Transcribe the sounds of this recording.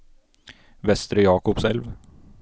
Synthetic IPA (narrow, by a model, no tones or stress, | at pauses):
vɛst̪ɾəjɑːkʊpsɛlv